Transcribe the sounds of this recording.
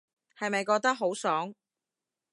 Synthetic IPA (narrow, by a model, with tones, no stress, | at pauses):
hɐ˨jmɐ˨jkɔː˧k̚t̪ɐ˥k̚ɦo˨˥wsœː˨˥ŋ